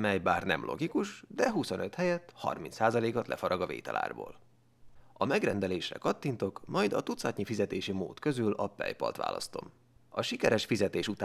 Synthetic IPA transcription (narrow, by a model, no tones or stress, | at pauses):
mɛjbaːrnɛmlʔo̞̰ɡikuʃd̪ɛɦuso̞nø̞t̪hɛjɛt̪ːhɒ̰rminsaːzɒleːkɒt̪lɛ̰fɒɾʔɒɡɒvḛːt̪ɛla̰ːrbo̰ːl | ɒmɛɡrɛnd̪ɛleːʃrɛ̰kɒt̪ːint̪o̞kmɒjd̪ɒt̪ut̪sɒt̪ɲifizɛt̪eːʃimo̰ːt̪kø̞zylɒpɛ̰jpɒ̰lt̪ʋa̰ːlɒ̰st̪o̞m | ɒʃikɛɾɛʃfizɛt̪eːʃut̪aː